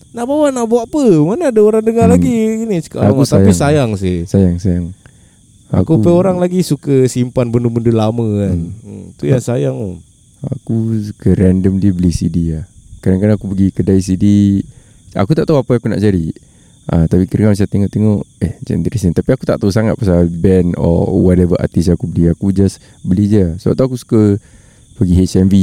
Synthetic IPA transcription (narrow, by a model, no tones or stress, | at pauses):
naʔbawanaʔbaʔpəmanaːdaoɾaŋdəŋalaɡiɡiniska̰ʔamuajisajaŋs̬ɪhsajaŋsajaŋ | a̰kupəoɾaŋlaɡisukəsimpanbəndubəndulaməkant̪ujaŋsajaŋo | akukəɾɛndəmdiəbəlisidiahkadaŋkadaŋakupəɡikədais̬idi | a̰kut̪aʔt̪auapaakuna̰ʔt͡ʃaɾi | ʔət̪apikəɾəŋabis̬at̪eŋɔʔt̪eŋɔʔehd͡ʒɛ̰nd̪əɾisinit̪apiakut̪aʔt̪ausaŋat̪̚pasabɛnɔ̰wɔtɛvəʔa̰t̪is̬aakubəliakud͡ʒas | bəlid͡ʒasəbap̚t̪uakusu̥kə | pəɡiɦesɛnvi